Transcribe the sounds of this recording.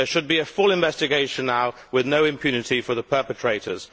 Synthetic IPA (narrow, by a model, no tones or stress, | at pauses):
əʃəd̚biəfʊlɪ̃ɱvɛstɪɡeɪʃə̃nːaʊ | wɪðnəʊɪ̃mpʰj̥ʉːnɪtifəðəpʰɜˑpətʰɹ̥eɪtə̰z̥